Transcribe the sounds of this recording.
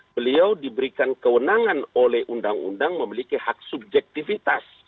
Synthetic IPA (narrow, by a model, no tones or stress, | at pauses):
bəliawdibəɾikankəwənaŋanolɛhʔundaŋṵndaŋməmilikihak̚sub̚d͡ʒɛk̚t̪ifit̪as